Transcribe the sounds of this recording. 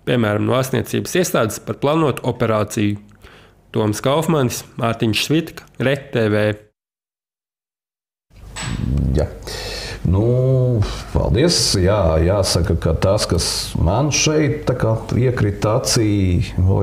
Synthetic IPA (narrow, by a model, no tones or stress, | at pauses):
pʲiɛmæːɾamnuastnḭɛt̪sḭːbə̥siɛst̪aːd̪ɪ̥spaɾplˠaːnuɔt̪uɔpeɾaːt̪siju | t̪uɔmskawfmansmaɾt̪iɲʃsvit̪kɐ̥ɾɛt̪ːɛːvɛː | ja̰ | nu | pɑ̰lˠd̪iɛsjaːjaːsakakat̪askasmanʃɛjt̪̚t̪ːakaːiɛkɾit̪at̪sḭː